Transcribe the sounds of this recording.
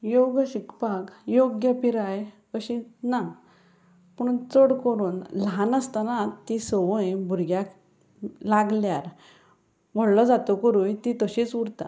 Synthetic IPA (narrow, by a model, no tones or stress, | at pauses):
joɡɕikpakjoɡjəpiɾajkəɕina | pəɳt͡səɽkəɾuːnlɦanəst̪anat̪isəʋəjbʱuɾɡjak | laɡljaɾ | ʋəɽlɔd͡zat̪ɔkəɾujt̪it̪əɕiːt͡suɽt̪a